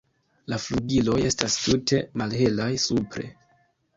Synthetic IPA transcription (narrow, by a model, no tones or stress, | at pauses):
lafluɡilo̞je̞stastutʰe̞malɦe̞lajsupɾe̞̰